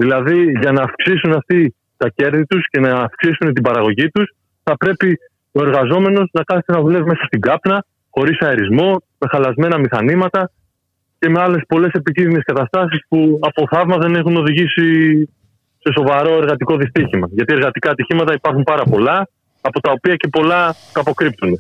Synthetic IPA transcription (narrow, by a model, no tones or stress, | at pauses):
ðilɐðiʝɐnɐːfksisunɐft̪i | t̪ɐce̞ɾðit̪usce̞nɐːfksisunt̪̬ibɐɾɐɣo̞ʝit̪us | θɐpɾe̞pi | o̞e̞ɾɣɐzo̞me̞no̞znɐkɐθet̪enɐðule̞vime̞sɐst̪iɡɐpnɐ | xo̞ɾisɐeɾizmo̞ | me̞xɐlɐzme̞nɐmixɐnimɐt̪ɐ | ce̞me̞ɐle̞spo̞le̞se̞picinðine̞skɐt̪ɐst̪ɐsispuɐpo̞θɐvmɐðe̞ne̞xuno̞ðiʝisi | se̞so̞vɐɾo̞e̞ɾɣɐt̪iko̞ðist̪içimɐʝɐt̪ie̞ɾɣɐt̪ikɐːt̪içimɐt̪ɐipɐɾxumpɐɾɐpo̞lɐː | po̞t̪ɐo̞piɐce̞po̞lɐt̪ɐpo̞kɾip̚t̪une̞